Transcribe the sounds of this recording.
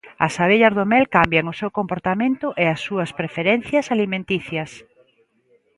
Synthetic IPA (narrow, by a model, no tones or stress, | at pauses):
ɐsaβeʎɐzðomɛlkambjɐŋʊsewkompoɾt̪amẽnt̪ʊʔeɐsːuɐspɾefeɾɛn̟θjɐsalimẽnt̪iθjɐs